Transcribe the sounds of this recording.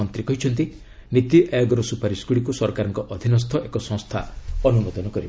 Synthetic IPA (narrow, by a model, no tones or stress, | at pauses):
ɔnt̪ɾikɔɦit͡ʃʰɔnt̪i | nit̪iʔajɔɡɔɾɔsupaɾiskuɽikusɔɾkaɾɔŋkɔʔɔd̪ʱinɔs̬t̪ʰɔʔekɔsɔ̃ŋst̪ʰaɔnumɔd̪ɔnɔkɔɾib